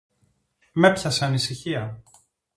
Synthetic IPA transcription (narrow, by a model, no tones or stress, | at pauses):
me̞pçɐseɐnisiçiɐ